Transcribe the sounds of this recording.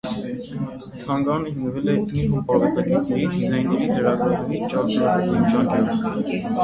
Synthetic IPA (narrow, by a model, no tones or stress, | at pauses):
t̪ʰɑŋɡɑnəɦinvɛlɛinɦupɑɾɑsɑɡɛt̪nɛɾifizɑjnːɛɾiləɾɑɡɑt̪umit͡ʃɑkɑɾɛkinʒɑŋkʰɛɾə